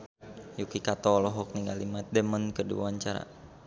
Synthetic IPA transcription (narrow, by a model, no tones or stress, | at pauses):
jukikat̪ɔlɔɦɔk̚niŋɡalimat̪̚dəmənkədṵaɲt͡ʃaɾa̰